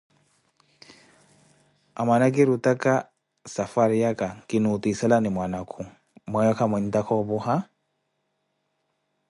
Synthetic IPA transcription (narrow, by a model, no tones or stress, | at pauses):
a̰mwanakʼɪɾutakʼa | safaɾijakʼakɪnutisalanɪmwanakʰu | mwajɔkʰamɛn̩takʰɔbʊha